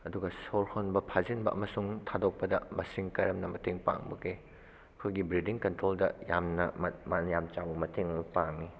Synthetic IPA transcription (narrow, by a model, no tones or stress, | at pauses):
ɐduɡɐsoɾhonbɐpʰazinbɐʔɐ̰mɐsuŋtʰadok̚pɐdɐmɐsiŋkɐɾɐmnɐmɐteŋpa̰ŋbɐkʰɾe | ɐkʰojɡibɾidiŋkɐntɾoldɐjamnɐmmanjamt͡ʃawbɐmɐtʰeŋɐpaŋːi